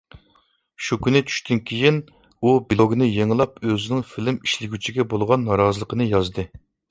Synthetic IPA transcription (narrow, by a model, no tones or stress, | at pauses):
ʃukʲynɪt͡ʃʰy̥ʃt̪ʰynkʲʰejin | ubilˠoɡʲnɨjeŋlˠɑpøzɪnɪŋfilɪmiʃlɪɡʲyt͡ʃʰiɡʲɛbolˠʁɑnːɑɾɑːzəlˠəqʰənɨjɑzd̪ɨ